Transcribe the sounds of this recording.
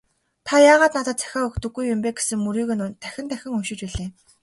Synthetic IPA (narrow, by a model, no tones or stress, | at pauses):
t̪ʰajaːʁaːt̪nat̪ə̆t̪̚t͡sʰæ̥xʲaːɵkt̪ɵ̆ɡːujːʊmpeːɡe̥sɘ̆ŋmuɾiːɣɘ̆nt̪ʰæxʲɪ̆nt̪ʰæxʲɪ̆ŋɵʃɪ̆t͡ɕpiɮeː